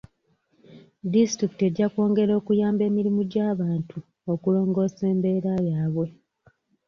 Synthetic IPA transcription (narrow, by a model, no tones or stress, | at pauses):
distɾiki̥te̞ɟako̞ːŋɡe̞ɾo̞ːkujaːmbe̞ːmiɾimuɟaːβaːntʰu | o̞kulo̞ːŋɡo̞ːse̞ːmbe̞ːɾajaːβwe̞